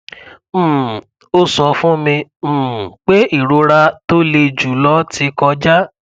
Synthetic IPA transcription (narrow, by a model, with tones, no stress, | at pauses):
o˦sɔ˧fũ˦mĩ˧˨ | k͡pe˦i˦˨ɾo˧˦ɾa˧to˦le˧˨d͡ʒu˨lɔ˦tʰi˧˦kɔ˧d͡ʒa˦